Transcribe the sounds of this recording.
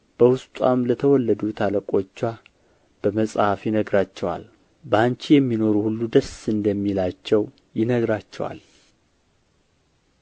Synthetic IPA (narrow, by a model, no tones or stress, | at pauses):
b̥əwʊst̪ʼwamlət̪ʰəwɔlːəd̪ut̪ʰaləkʼo̞t͡ʃːa | b̥əməsʼhafjɪnəɡɾat͡ʃːɛwa̰l | bəaɲt͡ʃijɛmːino̞ɾuhulːud̪əsɨnd̪əmːilat͡ʃːɛw | jɪnəɡɾat͡ʃːɛ̰wa̰l